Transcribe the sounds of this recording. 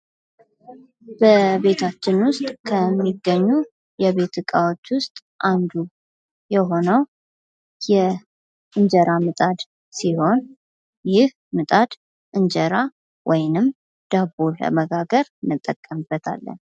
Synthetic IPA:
b̥əbe̞t̪ʰat͡ʃːɪnwʊst̪ʼkʰəmːiɡːəɲːu | jɛβe̞t̪ʰɨkʼawo̞t͡ʃːwʊst̪ʼʔand̪u | jɛɦo̞nəw | jɛ | ʔɨnd͡ʒəɾamɨt̪ʼad̪ | siho̞n | jɪh | mɨt̪ʼad̪̥ | ʔɨnd͡ʒəɾa | wʔɔjnɨm | d̪̥abolə̰məɡaɡəɾnːɨt̪ʼːəkʼːəmɨbːət̪ʰa̰lːə̰n

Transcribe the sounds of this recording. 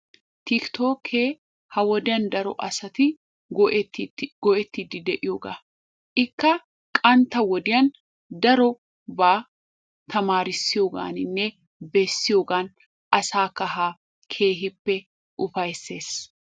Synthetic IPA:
t̪ɪkt̪o̞ːkʰːeː | hɐwɔd̪ɪjɐnd̪ɐɾɔ̰ʔɐsɐt̪ɪ | t̪ːɡɔʔɛt̪ːɪd̪ɪd̪ɛʔɪjoːɡa̰ː | ʔɪkːɐ | kʼɐnt̪ɐwɔd̪ɪjɐn | d̪ɐɾɔ | baː | t̪ɐmaːɾɪsːɪjoːɡa̰ːnɪnːɛ | bɛsːɪjoːɡaːn | ʔɐsaːkːɐɦaː | kʰe̞ːɦɪpːɛ | ʔʊfɐjsːe̞ːs

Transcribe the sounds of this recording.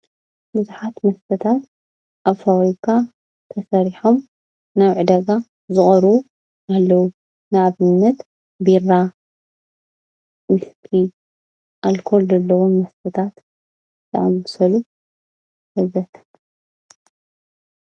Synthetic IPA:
bɨzuħat̪mɐst̪ʰɐt̪ʰat̪ | ʔaβfawikʰa | t̪ʰɐsɐɾiħom | naβʕɨd̪ɐɡa | zɨχʼɐɾwu | ʔalːɐwu | nɨβɨnːɐt̪ | biɾa | wɪst̪ʰi | ʔalkʰo̞lzɐlːɐwomɐst̪ʰɐt̪ʰat̪ | t̪ʰɐʔɐmːɨsɐlu | hɨzɐt̪ʰ

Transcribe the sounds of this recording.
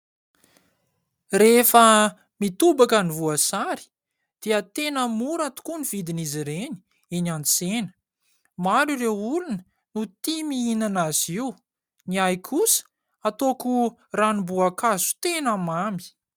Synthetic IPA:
refə | mit̪ubakənivuasaɾi̥ | d̪̥eət̪enəmuɾat̪u̥kuniv̥id̪iniziɾeni̥ | enant͡senə̥ | maɾurewulunə | nut̪imiinanaziu | niajkʰusə̥ | at̪oku | ranimbuakazu̥t̪enəmami̥

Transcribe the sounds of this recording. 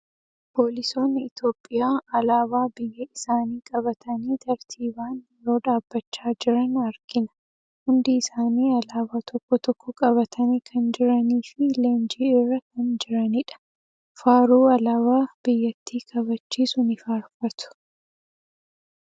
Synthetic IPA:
po̞ːlɪso̞ːnːɪɪt̪o̞ːpʼːɪjaːʔɐlaːbaːbɪjːɐɪsaːniːkʼɐβɐt̪ʰɐniːt̪ʰɐɾt̪ʰiːbaːnjɛɾo̞ːᶑ̪aːbːɐt͡ʃːaːd͡ʒɪɾɐnɐɾkɪnɐ̥ | hʊnd̪ɪːsaːniːɐlaːbaːt̪ʰɔkːɔt̪ɔkːɔkʼɐβɐt̪ʰɐnikʰɐnd͡ʒɪɾɐniːfɪleːnd͡ʒiːɪrːɐkɐnd͡ʒɪɾɐnɪᶑɐ̥ | faːɾuːɐlɐβaːb̥ɪjːɐt̪ːiːkʰɐβɐt͡ʃːiːsʊnɪfaːɾfɐt̪ʊ̥

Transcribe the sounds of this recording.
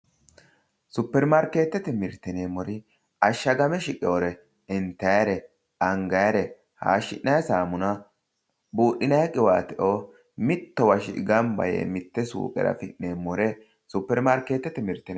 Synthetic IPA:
sʊpːɛɾmaɾkːe̞ːt̪ːɛt̪ɛmɪɾt̪ːɛneːmɔɾɪ | ɐʃːɐɡɐmɛʃɪkʼɛoɾɛ | ɛnt̪ːɐjɐɾɛ | ɐŋɡɐjɐɾɛ | ha̰ːʃːɪ̰ʔːɐjsaːmʊnɐ | buːɗːɪnɐjkʼɪwaːt̪ɛʔo | mɪt̪ːɔwɐʃɪ̰ɡɐmbɐ̰jḛmɪt̪ːɛsṵːkʼɛ̰ɾɐ̰fɪʔneːmːɔɾɛ | sʊpːɛɾmaɾkeːt̪ːɛt̪ːɛmɪɾt̪ːɛn

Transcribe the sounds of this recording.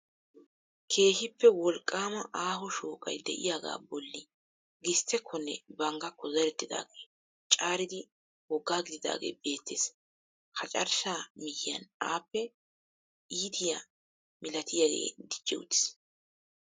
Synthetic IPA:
kʰe̞ːʃɪpːɛwɔlkʼːaːmɐʔaːɦɔʃoːkʼɐ̰jd̪ɛ̰ʔɪ̰jaːɡa̰ːbɔlːɪ | ɡɪst̪ːɛkʰːɔnːɛ̰bɐŋɡɐkːɔzɛɾɛt̪ːɪd̪a̰ːɡeː | t͡ʃʼaːɾɪd̪ɪ | wɔɡːaːɡɪd̪ɪd̪a̰ːɡḛːbe̞ːt̪ːeːs | kɐt͡ʃʼɐɾʃaːmɪhɪjɐnaːpːɛ | iːt̪ɪja | mɪlɐt̪ʰɪjaːɡḛːd̪ɪd͡ʒːɛwʊ̰t̪ːɪ̥s

